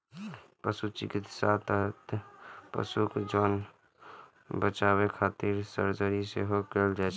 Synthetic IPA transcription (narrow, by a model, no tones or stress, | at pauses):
pəsut͡ʃɪkɪt̪sat̪əɦt̪pə̰sukd͡ʒoːn | bət͡ʃaːwekʰaːt̪iɾsə̰ɾd͡ʒaɾisḛɦokeːld͡ʒaːt͡ʃʰ